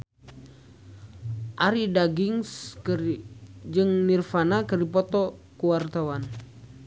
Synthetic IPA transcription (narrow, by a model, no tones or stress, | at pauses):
ʔaɾidaɡiŋs | d͡ʒɨŋnirfanakəripɔt̪ɔkuwart̪awan